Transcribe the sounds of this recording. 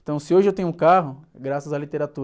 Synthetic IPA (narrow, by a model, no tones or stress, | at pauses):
t̪ɐ̃w̃sɪoʒɪewt̪ẽɲ̃ʊũkaɦʊɡɾasɐzalit̪eɾat̪uɾ